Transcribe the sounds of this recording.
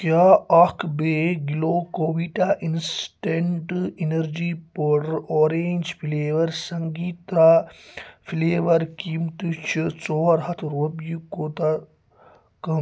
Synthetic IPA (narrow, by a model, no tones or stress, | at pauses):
kjaːɐkʰbeːɡiloːkoːʋiːʈaːʔinsʈeɳʈinɐɾd͡ʒiːpɐɾoːɾeːɲʲd͡ʒfʰileːʋɐɾsɐŋɡiːt̪aː | fʰileːʋɐɾkiːmt̪ut͡ʃʰit͡soːɾɦɐt̪ʰɾobjikoːt̪a | kɐm